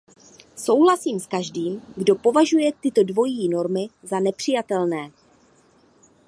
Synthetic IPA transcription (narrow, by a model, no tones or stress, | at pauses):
so̞wɦlasiːmskaʒdiːmɡdo̞po̞vaʒujɛt̪ɪt̪o̞dvo̞jiːno̞ɾmɪzanɛpr̝̥ɪjat̪ɛlnɛː